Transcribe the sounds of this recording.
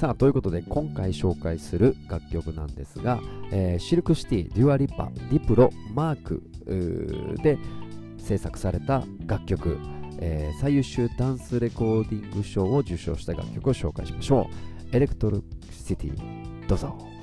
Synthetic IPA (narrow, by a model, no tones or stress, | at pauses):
saːt̪o̞iɯ̟ko̞t̪o̞d̪e̞kʰõ̞ŋkaiɕo̞ːkaisɨɾɯ̟ɡ̥akʲːo̞kɯ̟nãnd̪e̞sɨɡaeːɕiɾɯ̟kɯ̟ɕi̥t̪ʲiːɾʲɯ̟ːaɾʲipːa̰ɾʲipɯ̟ɾo̞maːkɯ̟̰ | d̪e̞ | se̞ːsakɯ̟̥saɾe̞t̪aɡakʲːo̞kɯ̟̰eːsaijɯ̟ɕɨːd̪ãɰ̃sɨɾe̞ko̞ːd̪ʲĩŋɡɯ̟ɕo̞ːod͡ʑɨɕo̞̰ːɕi̥t̪aɡa̰kʲːo̞kɯo̞ɕo̞ːka̰iɕimaɕo̞ːe̞ɾe̞kɯ̥t̪oɾ | sit̪ʲḭd̪̥o̞ːzo